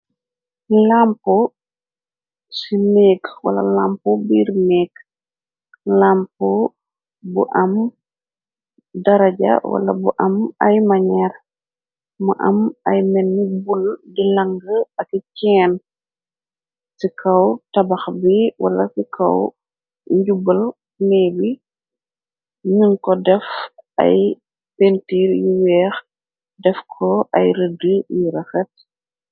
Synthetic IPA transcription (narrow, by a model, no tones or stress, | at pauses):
lampɔ | simɛːkwɐ̰lɐ̰laːmpɔbiːrmɛːɡ | laːmpɔ | buʔɐm | dɐɾɐɟɐ̰wɐ̰lɐ̰buʔɐmɐjmɐɲɛr | mɐʔɐmɐjmɛnːibuldilɐŋɡəɐkcɛːn | sikʰɐwtɐbɐxbiwɐ̰lɐsikʰɐ̰w | ɲɟubɐl | nɛbi | ɲunkɔdɛfɐ̰j | pentiːɾjiwɛːx | dɛfkʰɔʔɐjɾədəjiɾɐxɐt̚